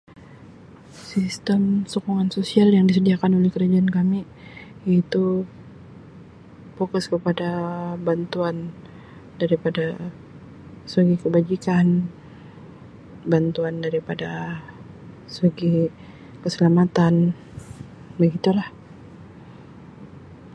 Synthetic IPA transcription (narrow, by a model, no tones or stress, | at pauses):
sist̪əmsokuŋansosialjaŋdisədiakanolɛhkəɾad͡ʒaankami | it̪u | fokʊskəpadabant̪uan | daɾipada | suɡikəbad͡ʒikan | bant̪uandaɾipada | suɡi | kəsəlamat̪an | bəɡit̪ulah